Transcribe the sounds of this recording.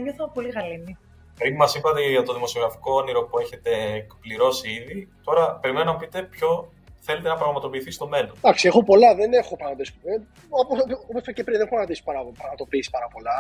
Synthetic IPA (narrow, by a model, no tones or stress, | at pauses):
eɲoθopoliɣɐlini | pɾimɐsipɐt̪e̞ʝɐt̪oðimo̞sio̞ɣɾɐfi̥kooniɾo̞pue̞çe̞t̪e̞ːkpliɾo̞siiðit̪o̞ɾɐpe̞ɾime̞nonɐpit̪e̞pço̞ | θe̞le̞t̪enɐpɾɐɣmɐt̪o̞piːθist̪o̞me̞lod̪ɐksie̞xo̞po̞lɐðene̞xo̞pɾɐɣmɐd̪isi̥e | opoooposfecepɾinðeneoɾɐɣɐnd̪isi̥pɐɾɐpopɾɐɣmɐt̪o̞piːsi̥pɐɾɐpo̞lɐ